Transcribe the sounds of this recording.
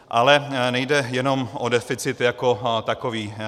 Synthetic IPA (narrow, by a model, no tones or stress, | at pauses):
ʔalɛnɛjdɛjɛno̞mʔodɛfɪt͡sɪt̪jakot̪akoviː